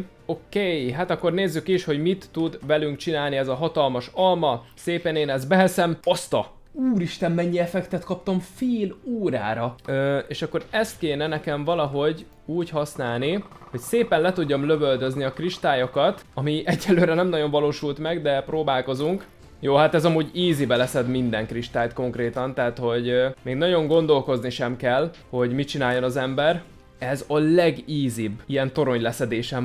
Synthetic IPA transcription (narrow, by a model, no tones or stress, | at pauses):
okejɦaːt̪ɒkːo̞rneːzːykiiʃho̞ɟmit̪ːud̪vɛlyŋkt͡ʃinaːlniɛzɒɦɒt̪ɒlmɒʃɒlmɒseːpɛːneːnɛzbɛɦɛsɛmost̪ɒ | uːɾiʃt̪ɛmːɛɲːiɛfɛkt̪ɛt̪kɒp̚t̪ɒɱfeːluːɾa̰ːɾɒøeːʃɒkːo̞ɾɛst̪̚keːnɛnɛkɛɱvɒlɒɦo̞ɟ | uːchɒsnaːlniho̞cseːpɛnlɛt̪uɟːomløvøld̪øzniɒkriʃt̪aːjokɒt̪ɒmiʔɛɟːɛlːøːɾɛnɛmnɒɟo̞ɱvɒloːʃult̪mɛɡd̪ɛproːbaːlko̞zuŋk | joːɦat̪ɛzɒmuːɟiːzibɛlɛsɛd̪mind̪ɛŋkriʃt̪aːjt̪ko̞ŋkreːt̪ɒnt̪aːt̪ho̞ɟmeːɡnɒɟo̞ŋɡo̞nd̪o̞lko̞zniʃɛmkɛlho̞ɟmit͡ʃinaːjːonɒzɛmbɛr | ɛzɒlɛɡiːzibːijɛnt̪o̞ɾo̞ɲlɛsɛd̪eːʃɛm